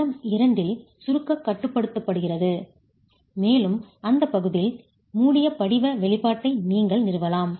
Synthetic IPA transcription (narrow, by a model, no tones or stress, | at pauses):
ɐmɪɾɐnd̪ɪl | sʊɾɯkːɐkːɐʈːɯpːɐɽɯt̪ːɐpːɐɽɯɣɪrɐðɯ | meːlɯmɐnd̪ɐpːɐɣɯðɪl | muːɽɪjɐpɐɽɪʋɐʋɛɭɪpːaːʈːɐɪniːŋɡɐɭnɪɾɯʋɐlaːm